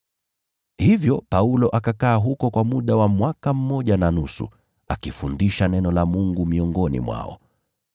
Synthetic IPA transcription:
hivjɔpaulɔʔakakaːɦukɔkwamuɗawamwakam̩mɔʄananusṵ | a̰kifundiʃanɛnɔlamuŋɡumiɔŋɡɔnḭmwa̰ɔ̰

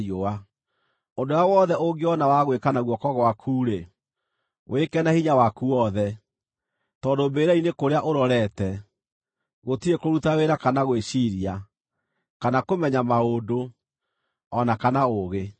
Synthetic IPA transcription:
oa | ondojawɔðɛʔoɡeɔnawaɣwekanaɣwɔkɔɣwakʰuːɾe | wʔekɛnahiɲawakuɔðɛ | tɔːdombeːɾainekoɾeaʔoɾɔɾɛtɛ | ɣotiɾekoɾutaweɾakanaɣweʃiɾia | kanakomɛɲamaodo | ɔnakanaoɣe

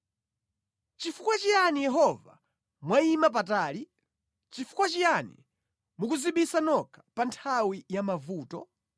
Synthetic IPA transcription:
t͡ʃifukwat͡ʃijanijɛɦɔva̰ | mwaimap̬ataːli | t͡ʃifu̥kwat͡ʃijanḭ | mukuziɓisanɔkʰḁpantʰawijamavuːtɔ

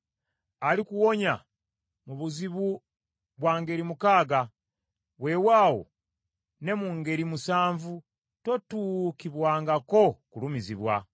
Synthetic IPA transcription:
alikuwo̞ɲa̰ | muβuziβu | βwaːŋɡe̞ɾimukaːɡa | we̞ːwaːwo̞̰ | ne̞muŋɡe̞ɾimusaːɱvu | to̞tuːkiβwaːŋɡako̞kulumiziβwa̰

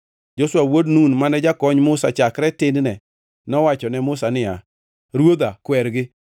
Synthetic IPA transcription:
d͡ʒoswawodnunmanɛd͡ʒakɔɲmʊsa̰t͡ʃakɾɛtɪnnɛ | nɔwat͡ʃɔnɛmʊsanɪa̰ | ɾwod̪akwɛɾɡɪ

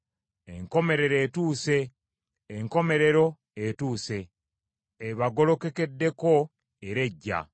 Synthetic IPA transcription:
e̞̰ŋko̞me̞ɾe̞ɾe̞ːtuːse̞ː | ŋko̞me̞ɾe̞ɾo̞ | etuːse̞ | eβaɡo̞lo̞ke̞ke̞dːe̞ko | eɾe̞ɟːa̰

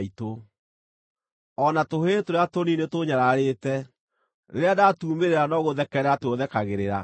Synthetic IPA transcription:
ito | ɔnatoɦetoɾeatoninetoɲaɾaɾetɛ | neɾeadatuːmeɾeɾanɔɣoðɛkɛɾatwoðɛkaɣeɾeɾa

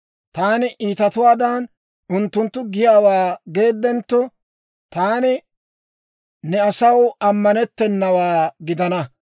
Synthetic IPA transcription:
t̪aːnɪʔiːt̪ɐt̪ʊwaːd̪an | ʊnt̪ːʊnt̪ːʊɡɪjaːwaːɡe̞ːd̪ːɛnt̪ːɔ | t̪aːnɪ | nɛɐsɐwɐmːɐnɛt̪ːɛnːɐwaːɡɪd̪ɐnɐ

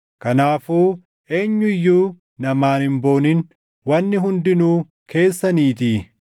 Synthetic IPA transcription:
kɐnaːfuː | e̞ːɲːʊɪjːuː | nɐmaːnhɪmbo̞ːnɪn | wɐnːɪɦʊnd̪ɪnuː | kʰe̞ːsːɐniːt̪i

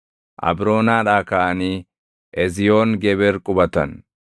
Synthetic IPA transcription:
ʔɐ̰bɾo̞ːnaːᶑaːkaʔɐniː | ʔɛzɪjoːŋɡɛbɛɾkʼʊbɐt̪ɐn

